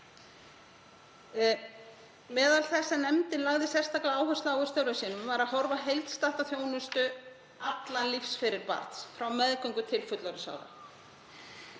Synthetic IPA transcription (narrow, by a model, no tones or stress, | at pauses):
mɛːðalθɛsːanɛmt̪ɪnlaɣðɪsɛr̥st̪ʰaklaaːwɦœst̪aːwɣʏɾ̥st̪œwɾʏsiːnʏmvaɾaðɦɔɾvaɦejlt̪st̪aht̪aθjoːwnʏst̪ʏ | at̪lanlifsfɪɾɪɾpa̰ɾt̪sfɾawmɛðkœwŋkʏt̪ʰɪlfʏt̪laɾʏsa̰ːwða̰